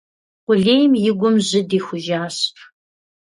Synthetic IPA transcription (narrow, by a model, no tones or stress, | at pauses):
qʷʊɮeːjmjɪɡʷʊmʑɪdiːxʷʊʒaːɕpʰ